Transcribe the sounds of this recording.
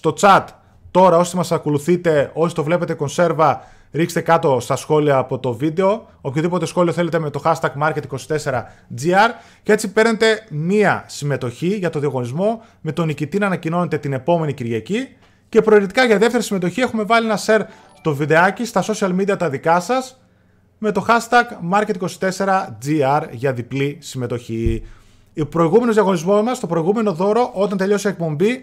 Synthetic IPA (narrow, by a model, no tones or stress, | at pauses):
st̪o̞t͡sɐt̪ː | o̞ɾɐo̞st̪emɐsɐko̞luθit̪e̞o̞si̥t̪o̞vle̞pe̞t̪e̞ko̞nse̞ɾvɐ | ɾikst̪e̞kɐt̪o̞st̪ɐsxo̞liɐːpo̞t̪o̞vid̪e̞o̞ | opçoðipo̞t̪e̞sxo̞lio̞θe̞le̞t̪eme̞t̪o̞xɐst̪ɐɡmɐɾce̞t̪iko̞si̥t̪e̞se̞ɾɐd͡ziɐɾ | cet͡sipe̞ɾne̞t̪e̞miɐsime̞t̪o̞çiʝɐt̪oðiɐɣo̞nizmo̞ | me̞t̪o̞nicit̪inɐnɐcino̞ne̞t̪e̞t̪ine̞po̞me̞niciɾʝɐci | ce̞pɾo̞ːɾit̪ikɐʝɐðe̞ft̪eɾisime̞t̪o̞çie̞xume̞vɐlienɐse̞ɾ | t̪o̞viðe̞ɐcist̪ɐso̞siɐlmid̪iɐt̪ɐðikɐsɐs | me̞t̪o̞xɐst̪ɐɡmɐɾce̞t̪ikosi̥t̪e̞se̞ɾɐd͡ziɐɾʝɐðiplisime̞t̪o̞çi | pɾo̞iɣumenozðijɐɣo̞nizmo̞zmɐst̪opɾo̞iɣume̞no̞ðo̞ɾo̞ʔo̞t̪ɐnt̪e̞ʎo̞seek̚po̞mbi